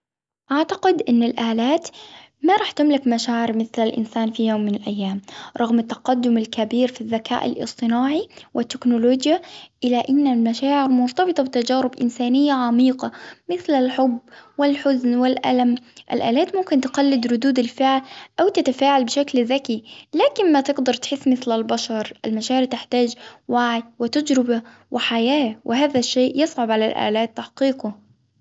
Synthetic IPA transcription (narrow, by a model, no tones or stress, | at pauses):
ʔaʕt̪aqɪd̪ʔɪnːalʔaːlaːt̪ | maɾˤɑːħt̪ʊmlɪkmaʃaːʕɪɾmɪθlalʔɪ̰nsaːnfijoːmːɪnalʔajːaːmɾˤɑɣmɪt̪ːɑ̥qɑd̪ːʊmalkabiːɾfiðːakʰa̰ːʔɪ̰lʔɨ̰sˤt̪ˤɨnaːʕiwʔɪt̪ːɪknʊloːd͡ʒjaʔɪlaʔɪnːalmaʃaːʕɪɾmʊnt̪ˤɑbɨt̪ˤɑbɪt̪ad͡ʒaːɾɪbʔɪnsaːnɪjːaʕamiːqɑmɪθlalħʊbːwɪlħʊznwɪlʔa̰lamʔa̰lʔa̰ːlaːt̪mʊmkɪnt̪qɑlːɪd̪ɾʊd̪uːd̪alfɪʕlʔawt̪ɪt̪afaːʕalbɪʃaklðakilaːkɪnmat̪ɪɡd̪ɑɾˤt̪ħɪsːmɪθlalbaʃɑɾˤʔa̰lmaʃaːʕɾɪɾt̪ɪħt̪aːd͡ʒwaːʕɪd̪wɪt̪ad͡ʒɾɪba | wɪħajaːhwɪɦaːðaʃːeːʔjɪsˤʕʊbʕalalʔa̰ːlaːt̪ːaħqiːqʊ